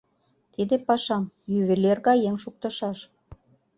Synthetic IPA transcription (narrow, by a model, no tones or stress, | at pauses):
t̪id̪epɑʃɑmjyβelerɣɑjeŋʃuk̚t̪ɤ̆ʃɑʃ